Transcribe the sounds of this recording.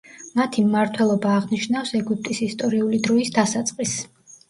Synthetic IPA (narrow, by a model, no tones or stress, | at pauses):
mat̪ʰimːaɾt̪ʰwɛlˠɔbaːʁniʃnafsɛɡyp̚ʰt̪ʼisist̪ʼɔɾiulid̪ɾɔisd̪asat̪sʼqʼis